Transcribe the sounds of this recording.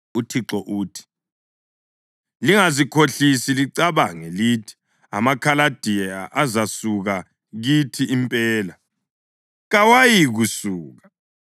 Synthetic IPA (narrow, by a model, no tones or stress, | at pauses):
utʰiǁɔʔuːtʰi̥ | liŋazikʰoɬisiliǀaβaŋelitʰi̥ | a̰makʰalad̥ʱiaʔazasuɣa | ɣitʰiimpʼɛːla | ɣawajiɣusuːɣa